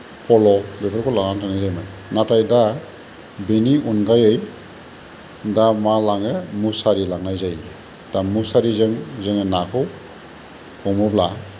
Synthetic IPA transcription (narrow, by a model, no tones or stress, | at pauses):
pʰɔlɔbepʰaɾkʰɔlalantʰanajzajmaj | natajda | beniunɡajej | damalaŋemusaɾilaŋnajzaj | d̥amusaɾizeŋzeŋenakʰɯw | kʰɔmɔbla